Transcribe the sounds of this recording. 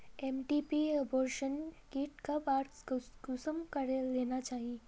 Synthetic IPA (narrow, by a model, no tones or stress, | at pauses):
ɛːmʈiːpiɐbɔːɾʃənkiːʈkabaːɾsɡʊsəmkɐɾleːnat͡ʃaːɦie